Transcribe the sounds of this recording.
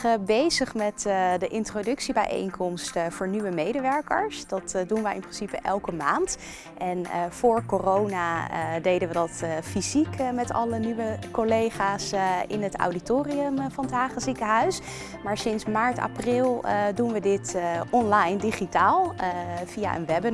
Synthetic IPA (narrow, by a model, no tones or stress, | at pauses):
əbejzəχmɛtdəʔɪntrodɵksibɛjʔḛjŋkʰɔmstv̥ʊːɹnyʋəmejdəʋɛɹkə̰ɹsd̥ɑtdunʋəɪ̰mprɪnsipəʔɛlˠkəmaːnt | ɛnəv̥ʊːɹkorownaə̰dejdənʋədɑtfizikmɛtɑ̰lənyʋəkolejχaːsɪ̰nəta̰wditoːriəmfɑntɦaːχəsikəɦœɥs | maːɹsɪnsmaːɹta̰prɪlˠdunʋədɪtʔɔnlɑjndiχitaːlˠv̥ia̰ʔə̰nʋɛbən